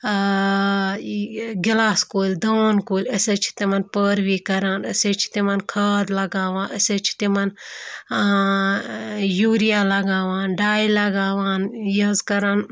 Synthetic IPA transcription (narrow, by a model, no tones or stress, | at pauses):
ɡilaːskoːlʲd̪oːnkoːlʲəsʲet͡ʃʰi̥t̪imɐnpəːɾʋiːkɐɾaːnəset͡ʃʰi̥t̪imɐnkʰɐːd̪lɐɡaːʋãːnʔəset͡ʃʰi̥t̪imɐn | juːɾijaːlɐɡaːʋaːnɖaːilɐɡaːʋaːnjɐzkɐɾaːn